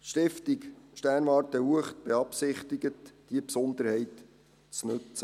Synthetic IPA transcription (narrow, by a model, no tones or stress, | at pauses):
ʃtɪftikʃtæːnʋɑːɾtəhuəχt̚b̥eɑpsɪχtiɡətd̥iəpsɔnd̪əɾhɛɪt | t͡snɵt͡sə